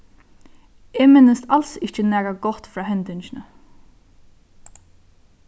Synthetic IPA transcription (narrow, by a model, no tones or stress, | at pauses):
eːmɪnːəst̪alsɪht͡ʃɪnɛːkaɡɔht̪fɾaːɦɛnt̪ɪnt͡ʃɪnə